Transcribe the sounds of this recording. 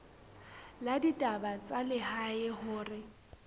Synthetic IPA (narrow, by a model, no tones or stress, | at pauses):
laditʼabat͡sʼalɪhaɪhʊːrɪ